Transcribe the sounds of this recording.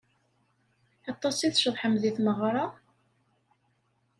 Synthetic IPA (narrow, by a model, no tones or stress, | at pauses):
ɑt̪ˤːɑsiθʃəðˤħəmðiθməʁɾˤɑ